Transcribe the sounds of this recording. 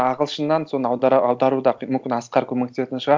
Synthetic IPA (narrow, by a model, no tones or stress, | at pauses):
ɑʁəlˠʃənːɑnsonəɑwd̪ɑɾud̪ɑmʏmkʲɪnɑsqɑɾkʲʰɵmekt̪eset̪ɪnʃəʁɑ